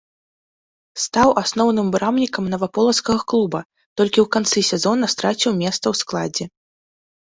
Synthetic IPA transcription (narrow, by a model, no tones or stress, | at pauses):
st̪awʔasnɔwnɨmbɾamnʲikɐmnɐvapɔlˠɐskɐɣɐklˠubɐ | t̪ɔlʲkʲiwkant̪sɨsʲɛzɔnːɐst̪ɾat͡sʲiwmʲɛst̪sɐwsklˠad͡zʲɛ